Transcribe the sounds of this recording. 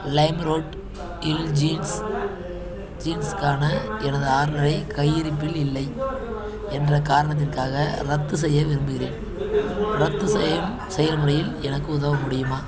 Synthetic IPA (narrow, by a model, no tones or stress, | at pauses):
lɐɪmɾoːʈ | ɪld͡ʒiːns | d͡ʒiːnskaːnɐɛnɐðɯaːɾlɐɾɐɪkɐjːɪɾɪpːɪlɪlːɐɪ | ɛndrɐkaːɾɐɳɐt̪̬ːɪrkaːɣɐɾɐt̪ːɯs̬ɛjːɐʋɪɾɯmbɯɣɪɾeːn | ɾɐt̪ːɯsɛjɐm | sɛjɐɾmʊɾɐjɪlɛnɐkːɯʊðɐʋɐmʊɽɪjɯmaː